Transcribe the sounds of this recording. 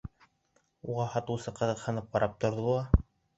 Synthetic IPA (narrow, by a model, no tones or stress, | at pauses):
uʁɑhɑt̪ɤ̆wsɤqɤ̆ðɤ̆qhɤ̆nɤp̚bɑɾʔɑp̚t̪ŏɾðɤlˠɑ